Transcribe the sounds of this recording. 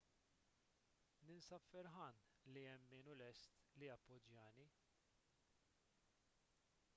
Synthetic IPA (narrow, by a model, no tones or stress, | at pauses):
nɪnsɐpfɛɾħɐn | liɛmːɪːnʊlɛst̪lijɐpːɔd͡ʒjɐːni